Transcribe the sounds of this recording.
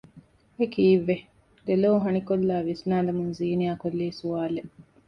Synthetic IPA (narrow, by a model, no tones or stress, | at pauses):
ekiːʋːe | d̪eloːɦɐnikolːaːʋisnaːd̪ɐmunziːnijaːkolːiːsuaːleʔ